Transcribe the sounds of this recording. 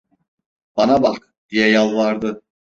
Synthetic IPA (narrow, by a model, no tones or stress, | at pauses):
b̥anabak | d̪̥ijɛjalˠvaɾd̪ɯ